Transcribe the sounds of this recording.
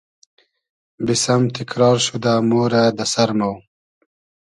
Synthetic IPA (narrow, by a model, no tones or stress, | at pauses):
bisamt̪ʰɪkɾɑːɾʃud̪aːmoːɾad̪asaɾmaw